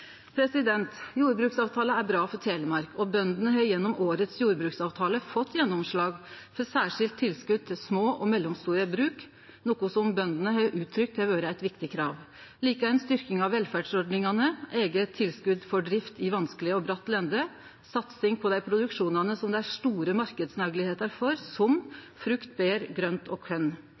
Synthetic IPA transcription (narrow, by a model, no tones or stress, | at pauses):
pʰɾɛsɪd̪ɛnt̪juːɾbɾʉːksɑːʋt̪ʰɑːləæɾbɾɑːfɔɾt̪ʰeːləmɑɾkʰɔbœnd̪ənəɦœʏjɛnːɔmoːɾət̪sjuːɾbɾʉːksɑːʋt̪ʰɑːləfɔt̪ːjɛnːɔmʂɭɑːɡ | fɔɾsæːʂɪlt̪ʰːɪlskʉd̪̚t̪ʰɪlsmoːʔɔmɛlːɔmst̪uːɾəbɾʉːk | nɔːkʊsɔmbœnd̪ənəɦœʔʉːt̪ʰːɾʏk̚t̪ʰɪʋøːɾəæɪt̪ʋɪkt̪ɪkʰɾɑːʋ | liːkæɪnst̪ʏɾkɪŋɑʋːɛlfæɖsɔɖnɪŋɑnəʔeːɡət̪ʰːɪlskʉd̪fɔɖɾɪft̪ʰɪʋɑnsklɪəɔbɾɑt̪ːlɛnd̪ə | sɑt̪sɪŋpʰɔd̪æɪpʰɾʊd̪ʉkʂuːnɑnəsɔmd̪ɛæɾʂʈuːɾəmɑɾkəd̪snɑɡlɪheːt̪ɑɾfɔɾsɔm | fɾʉkt̪̚beːɾɡɾœnt̪ʰɔkʰœn